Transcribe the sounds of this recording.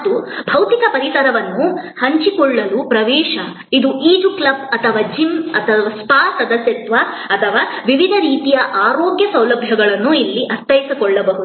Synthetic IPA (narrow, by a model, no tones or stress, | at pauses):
d̪ubʱɐwt̪ikɐpɐɾisɐɾɐʋɐnːuhɐɲt͡ʃikɔɭːɐlupɾɐʋɛːʃɐ | id̪uʔiːd͡ʒuklɐbɐt̪ʰɐʋaːd͡ʒimɐt̪ʰɐʋaspaːsɐd̪ɐsjɐt̪ʋɐ | ɐt̪ʰɐʋaːʋiʋid̪ʱɐɾiːt̪ijɐʔaːɾoːɡjɐsɐwlɐbʱjɐɡɐɭɐnːuilːiʔɐst̪ɐjisikɔɭːɐbɐɦud̪u